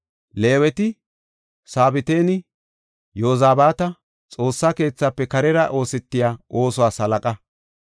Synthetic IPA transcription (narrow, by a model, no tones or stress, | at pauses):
le̞ːwɛt̪ɪ | saːbɪt̪e̞ːnɪ | joːzaːbaːt̪ɐ | t͡sʼo̞ːsːake̞ːt͡sːaːpːɛkɐɾɛɾɐʔo̞ːsɛt̪ːɪjaːʔo̞ːsʊwaːsɐlɐkʼɐ